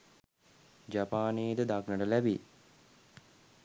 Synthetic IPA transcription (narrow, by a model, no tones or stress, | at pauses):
d͡ʒapaːneːd̪əd̪aknəʈəlæbḭ